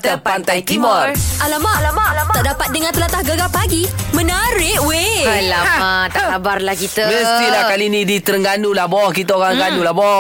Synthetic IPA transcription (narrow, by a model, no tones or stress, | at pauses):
t̪əpant̪ajt̪imərʔalamat̪aʔdapat̪̚dəŋãnt̪əlat̪ahɡəɡapaɡimə̃naɾɪʔwealaat̪aʔkabarlahkit̪əbəst̪ilahkalinĩdit̪ərŋɡanulahbɔhkit̪aoɣaŋɡanulahbɔ